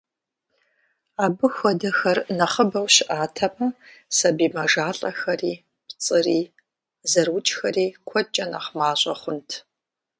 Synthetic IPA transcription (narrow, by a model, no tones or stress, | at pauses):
aːbɨxʷɔdɐxɐrnɐχəbɐwɕɪʔaːtʰɐmɐsɐbiːmɐʒaːɬʼɐxɐriː | pt͡sʼɨriː | zɐrwʊt͡ʃʼxɐriːkʷʰɔt͡ʃʼɐnɐχmaːɕʼɐχʷʊntʰ